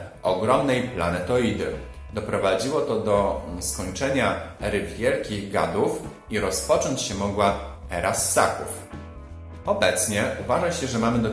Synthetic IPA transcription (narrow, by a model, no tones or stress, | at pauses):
ɔɡɾɔmnɛjpla̰nɛt̪ɔid̪ɘ̰ | d̪ɔpɾɔvad͡ʑiwɔt̪ɔd̪ɔskɔɲt͡ʂɛɲaɾɘvvʲjɛlkʲiɣɡa̰d̪uf | iɾɔspɔt͡ʂɔɲt͡ɕɕɛmɔɡwa | ɛɾʔasːa̰kuf | ɔbɛt̪sɲɛuvaʐaɕɛʐɛmamɘd̪ɔ